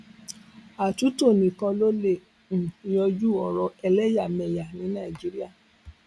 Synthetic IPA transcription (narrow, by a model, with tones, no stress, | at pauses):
a˨tu˨˦to˦˨nĩ˨kã˧lo˦le˦˨ | n̩˨jɔ˧d͡ʒu˦ɔ˨ɾɔ˧ɛ˧lɛ˦ja˦˨mɛ˨ja˨nĩ˨˦nã˦˨i˨d͡ʒi˨˦ɾi˦a˦˨